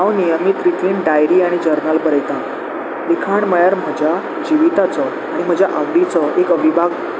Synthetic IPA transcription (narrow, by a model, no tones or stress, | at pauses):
ãʋnijəmit̪ɾit̪ʋiːɳɖajɾiaɽ̃id͡ʑəɾnəlbəɾəjt̪ã | likʰaɳməjaɾm̤əd͡ʑʱja | d͡ʑiʋit̪at͡sɔ | aɽ̃im̤əd͡ʑʱjaʔəʋɾit͡sɔekəʋibʱaɡ